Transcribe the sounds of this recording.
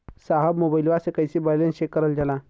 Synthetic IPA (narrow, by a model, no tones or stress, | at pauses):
saɦəbmobəjlʋasekəjsibajlẽnɕekːəɾəld͡ʑala